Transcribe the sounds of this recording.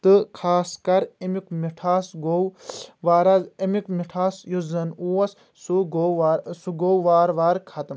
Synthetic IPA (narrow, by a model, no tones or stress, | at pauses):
t̪ɨkʰaːskɐɾimikmiʈʰaːsɡowʋaːɾɐzimikmiʈʰaːsjuzɐnuwɐs | suɡoaɾsuɡowʋaːɾʋaːɾkʰɐt̪m